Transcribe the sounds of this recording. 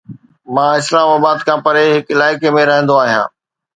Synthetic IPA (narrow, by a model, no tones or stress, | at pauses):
mãːɪslaːmaːbaːd̪kʰãːpɐɾeɦɪkɪlaːɪkemẽɾɐɦə̃nd̪oaːɦijãː